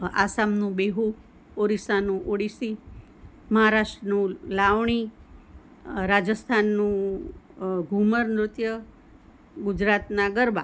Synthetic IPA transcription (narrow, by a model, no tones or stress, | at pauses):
a̰samnũbeɦu | oɾisanũʔoɽisi | məɦaɾaʃʈɾənũlaʋɳi | ɾad͡ʒəst̪ʰanːũ | ɡʱuməɾnɾʊt̪jə | ɡʊd͡ʒɾat̪naɡəɾba̰